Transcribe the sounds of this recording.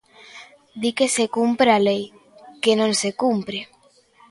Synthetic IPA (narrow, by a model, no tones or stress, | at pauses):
d̪ikesekumpɾealej | kenõŋsekumpɾe